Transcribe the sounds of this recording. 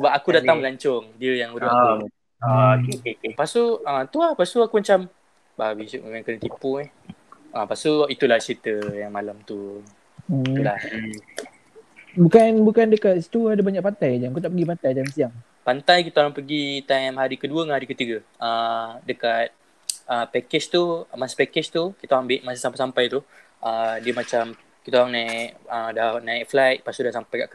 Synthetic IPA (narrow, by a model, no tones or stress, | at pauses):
səbap̚akudaaŋməlaɲt͡ʃɔŋdiəjaŋudaa | akepasuət̪uahpast̪uakumat͡ʃam | babisuʔməmakənət̪ipuɛhʔapasuit̪ulaht͡ʃɾit̪əjaŋmalamt̪u | ulah̩ | bukanbukandəkat̪st̪uadabaɲaʔpant̪ajd͡ʒaŋakut̪aʔpəɡip̬ant̪ajt̪ajmsiaŋ | pant̪ajkit̪aoɾaŋpəɡit̪amɦaɾikəduəŋahaɾikət̪iɡəədəkat̪̚ | əpɛkɪt͡ʃt̪umasi̥pɛkɪt͡ʃt̪ukit̪aoɾaŋbɪʔ̚masisampajsampajt̪u | ʔədiəmat͡ʃam | kit̪aoɾaŋnaikədahnãik̚flajt̪̚pasudahsampajkaʔk